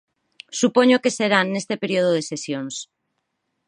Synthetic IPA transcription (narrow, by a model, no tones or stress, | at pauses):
supoɲokeseɾannest̪epeɾioðoðesesjõns